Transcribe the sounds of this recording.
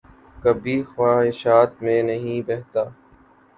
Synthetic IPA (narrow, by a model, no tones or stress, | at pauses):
kəbʱiːxwaːɦɪʃaːt̪mẽnɐɦĩːbɛɦt̪aː